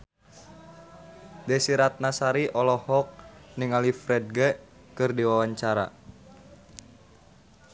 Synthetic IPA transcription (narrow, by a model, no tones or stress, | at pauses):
dɛsiɾat̪̚nasaɾiʔɔlɔhɔk̚niŋalifɾɛd̚ɡɛ | kɨrdiwawaɲt͡ʃaɾa̰